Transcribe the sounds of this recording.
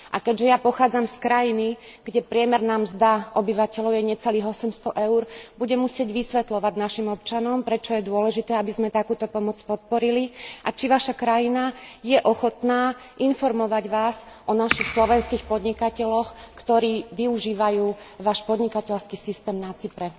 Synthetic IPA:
ʔakɛɟʒɛjapɔxaːd͡zamskɾajiniɡ̥ɟɛpɾɪɛmɛɾnaːmzd̪aʔɔbiʋacɛlɔʊjɛɲɛt͡sɛliːɣɔsɛmst̪ɔʔɛʊɾbuɟɛmusɪɛɟʋisʋɛt̪lɔʋaɟnaʃimɔp̚t͡ʃanɔmpɾɛt͡ʃɔjɛd̪ʊɔlɛʒit̪ɛːabizmɛt̪akuːt̪ɔpɔmɔt͡spɔt̪̚pɔɾiliʔat͡ʃiʋaʃakɾajinajɛʔɔxɔt̪naː | ʔinfɔɾmɔʋaɟʋaːs | ʔɔnaʃixslɔʋɛnskiːxpɔd̪ɲikacɛlɔxkt̪ɔɾiːʋiuʒiːʋajuː | ʋaːʃpɔd̪ɲikacɛlskisist̪ɛːmnat͡sipɾɛ

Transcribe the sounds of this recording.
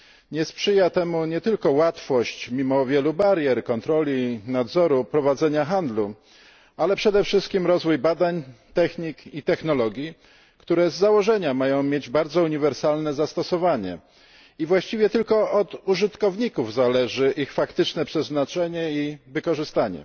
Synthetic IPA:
ɲɛspʂɘjat̪ɛmuɲɛt̪ɘlkɔwat̪fɔɕt͡ɕmʲimɔvʲjɛlubaɾjɛɾkɔnt̪ɾɔlʲinad̪zɔɾupɾɔvad̪zɛɲaxand̪lu | alɛpʂɛd̪ɛfʂɘst̪̚kʲimɾɔzvujbad̪aɲt̪ɛxɲikit̪ɛxnɔlɔɡʲji | kt̪uɾɛzːawɔʐɛɲamajɔ̃w̃mʲjed͡ʑbaɾd̪zɔuɲivɛɾsalnɛzast̪ɔsɔvaɲɛ̰ | ivwaɕt͡ɕivʲjɛt̪ɘlkɔɔd̪uʐɘt̪kɔvɲikuvzalɛʐɘʔixfakt̪ɘt͡ʂnɛpʂɛznat͡ʂɛɲɛivɘkɔʐɘst̪aɲɛ̰

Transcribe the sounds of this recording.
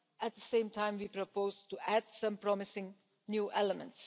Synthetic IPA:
æʈ̚d̪əsẽːmʈãɪ̃mʋiːpɾopoːzʈuæɖsʌ̃mpɾɔmɪsɪ̃ŋ | njuːʔɛləmə̰̃nʈs

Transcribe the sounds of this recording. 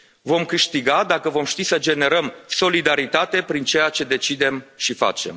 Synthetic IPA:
vo̞mkɨʃt̪iɡad̪akəvo̞mʃt̪isəd͡ʒe̞ne̞ɾəmso̞lid̪aɾit̪at̪e̞pɾint͡ʃe̞jat͡ʃe̞d̪e̞t͡ʃid̪e̞mʃifa̰t͡ʃe̞̰m

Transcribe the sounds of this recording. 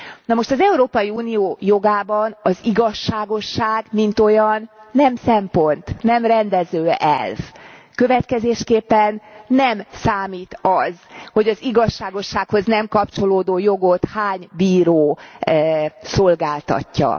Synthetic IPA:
nɒmo̞ʃt̪ɒzɛuɾoːpɒjiuːnijoːjo̞ɡaːbɒnɒziɡɒʃːaːɡo̞ʃːaːɡmint̪o̞jɒnːɛmsɛmpo̞nt̪nɛmrɛnd̪ɛzøːɛ̰lvkø̞vɛt̪kɛzeːʃkeːpːɛnːɛmsaːmiːt̪ɒzho̞ɟɒziɡɒʃːaːɡo̞ʃːaːkho̞znɛmkɒpt͡ʃo̞loːd̪oːjo̞ɡo̞t̪haːɲbiːɾoː | so̞lɡaːlt̪ɒ̰cːɒ̰

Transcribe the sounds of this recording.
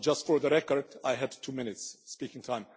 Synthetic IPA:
d͡ʒʌstfəɹðəɾɛkəɹdaɪɦɨd̚tʰumɪ̃nɨtsːpikɪ̃ŋtʰãɪ̃m

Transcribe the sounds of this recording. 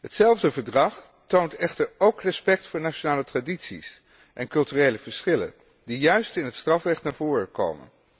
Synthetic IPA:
ɦətsɛlˠvdəvəɹdrɑχ | towntɛχtəɹowkrɛspɛk̚tfʊːɹnat͡ʃonaːlətraditsḭs | ʔɛnkɵlˠtyːrejləv̥əɹsχɪlə̰n | dijœɥstɪnɦətstrɑfrɛχtnaːɹv̥ʊːrəko̰wmə̰n

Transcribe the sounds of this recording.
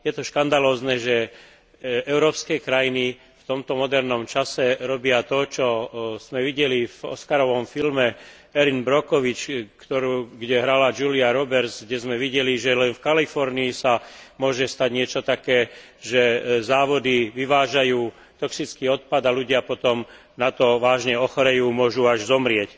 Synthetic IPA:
jɛt̪ɔʃkand̪alɔːznɛːʒɛ | ɛʊɾɔːpskɛkɾajini | ft̪ɔmt̪ɔmɔd̪ɛɾnɔmt͡ʃasɛɾɔbɪat̪ɔt͡ʃɔz̥mɛʋiɟɛlivɔ̰skaɾɔʋɔmfilmɛ | ɛɾinbɾɔkɔʋit͡ʃkt̪ɔɾuːɡɟɛɦɾalad͡ʒuliaɾɔbɛɾzɡɟɛzmɛʋiɟɛliʒɛlɛnfkalifɔɾniisamʊɔʒɛst̪aɟɲɪɛt͡ʃɔt̪akɛː | ʒɛzaːʋɔd̪iʋiʋaːʒajuː | t̪ɔksit͡skiːɔt̪̚pad̪aluɟɪapɔt̪ɔm | nat̪ɔʋaːʒɲɛɔxɔɾɛjuːmʊɔʒuaʒzɔmɾɪɛc

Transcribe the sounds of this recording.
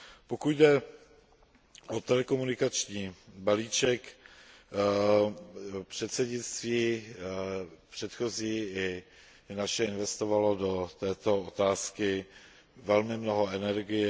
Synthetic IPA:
po̞kujdɛ | ʔot̪ɛlɛko̞munɪkat͡ʃɲiːbaliːt͡ʃɛk | pr̝̥ɛt̪sɛɟɲɪt͡st̪viː | pr̝̥ɛt̪xo̞ziːɪ | naʃɛɪnvɛst̪ovalo̞do̞t̪ɛːt̪o̞ot̪aːskɪ | vɛlmɪmno̞ɦo̞ɛnɛɾɡɪjɛ

